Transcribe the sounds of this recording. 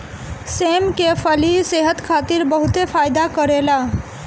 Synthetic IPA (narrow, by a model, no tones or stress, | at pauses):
semkepʰəliseɦət̪kʰat̪iɾbəɦut̪epʰajd̪akəɾela